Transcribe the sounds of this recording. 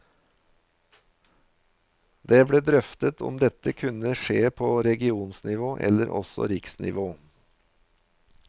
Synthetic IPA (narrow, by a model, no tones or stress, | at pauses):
d̪eːbɽeːd̪ɾœft̪ət̪ʰɔ̰md̪ɛt̪əkʰʉnəʃeːpʰoːɾɛɡɪuːnsnɪʋoːʔɛ̰ləɾʔɔ̰sɔ̰ɾɪksnʔɪ̰ʋoː